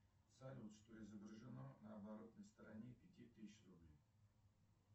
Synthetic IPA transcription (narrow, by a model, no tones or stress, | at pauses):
t̪salʲut̪ʂt̪oɪzəbɾəʐɨnonɐːbaɾot̪nəjst̪əɾɐnʲepʲɪtʲit̪ɨsɕrʊblʲej